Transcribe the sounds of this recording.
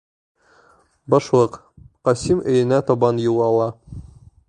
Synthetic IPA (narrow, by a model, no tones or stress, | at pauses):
bɒʃlˠɤq | qɒsimɘ̆jɘ̆næt̪ɒbɑnjulˠɑlˠɑ